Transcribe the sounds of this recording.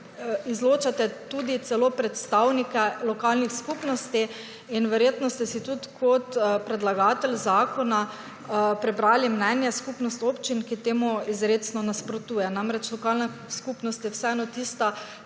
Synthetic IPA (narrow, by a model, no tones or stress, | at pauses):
izloːt͡ʃat̪ɛt̪ud̪it̪sɛloːpɾɛt̪st̪awnikɛlɔkalnixskupnɔst̪i | inʋɛɾjeːt̪nɔst̪ɛsit̪ut̪kʰɔt̪pɾɛd̪laɡaːt̪ɛlzaːkɔna | pɾɛbɾaːlimnɛnjaskupnɔst̪oːpt͡ʃinkit̪eːmuizɾeːt̪snɔnaspɾot̪uːjɛnamɾɛt͡ʃlɔkaːlnaskuːpnɔst̪jɛwsɛɛnɔt̪ist̪a